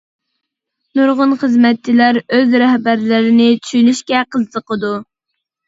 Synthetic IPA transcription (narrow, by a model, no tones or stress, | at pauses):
nuɾʁʊnχəzmɛt̪̚t͡ʃːilæɾøzɾɛhbæɾlɪɾɪnɪtʰy̥ʃynyʃkʲɛqʰəzt̪əqəd̪u